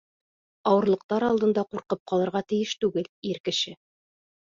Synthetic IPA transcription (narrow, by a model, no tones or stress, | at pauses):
ɑwɤ̆ɾlˠɤ̆q̚t̪ɑɾɑlˠd̪ɤ̆nd̪ɑquɾqɤp̚qɑlˠɤ̆ɾʁɑt̪ɘ̆jɘʃt̪ʉɡɘliɾkɘ̆ʃɘ